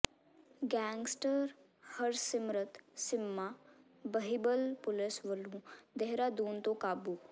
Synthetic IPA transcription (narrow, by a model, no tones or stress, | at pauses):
ɡɛːŋɡsʈəɾ | həɾsɪmɾət̪sɪmːaː | bəɦibəlpʊlɪsʋəlũd̪eɦɾad̪uːnt̪õkaːbuː